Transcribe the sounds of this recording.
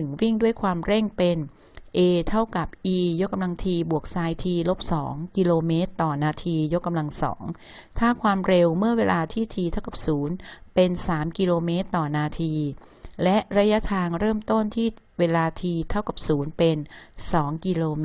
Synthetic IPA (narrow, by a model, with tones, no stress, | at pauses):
ɯ˨˩˦ŋwi˥˩ŋdu˥˩əjkʰwaː˧mɾe˥˩ŋpe˧n | ʔeː˧t̪ʰa˥˩wka˨˩p̚ʔiː˧jo˦˥k̚ːa˧mla˧ŋt̪ʰiː˧bu˨˩ək̚saː˧jt̪ʰiː˧lo˦˥p̚sɔː˩˦ŋki˧loː˧meː˦˥t̪ːɔː˨˩naː˧t̪ʰiː˧jo˦˥kːa˧mla˧ŋsɔ̰ː˩˦ŋ | t̪ʰaː˥˩kʰwaː˧mɾe˧wmɯ˥˩ɐweː˧lʔaː˧t̪ʰiː˥˩t̪ʰiː˧t̪ʰa˥˩wka˨˩p̚suː˩˦npe˧nsaː˩˦mki˧loː˧meː˦˥t̪ːɔː˨˩naː˧t̪ʰiː˧ | lɛ˦˥ʔɾa˦˥ja˦˥t̪ʰaː˧ŋɾɤː˥˩mt̪o˥˩nt̪ʰiː˥˩ | weː˧laː˧t̪ʰiː˧t̪ʰa˥˩wka˨˩p̚suː˩˦npe˧nsɔː˩˦ŋki˧loː˧m˦